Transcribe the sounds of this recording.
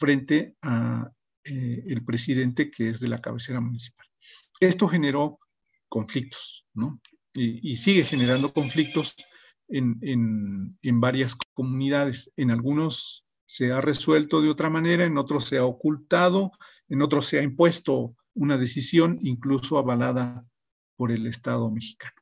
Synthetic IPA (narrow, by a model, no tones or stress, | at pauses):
fɾe̞nt̪e̞a | eːlpɾe̞siðe̞nt̪e̞kʰeezðe̞la̰ka̰βese̞ɾamũnisi̥pḁl | e̞st̪o̞xe̞ne̞ɾo̞ | ko̞ɱflik̚t̪o̥sno̞ | iisiɣe̞xe̞ne̞ɾand̪o̞ko̞ɱflik̚t̪o̞s | enenembaɾjaskko̞mũniðaðe̞se̞nalɣuno̞sː | e̞are̞swe̞lt̪o̞ðeo̞t̪ɾamãne̞ɾaeno̞t̪ɾosːe̞aokult̪að̞o̞ | eno̞t̪̬ɾosːeaimpwe̞st̪o̞ | unað̞e̞sisjo̞niŋkluso̞aβalaða | po̞ɾe̞le̞st̪aðo̞me̞xi̥kano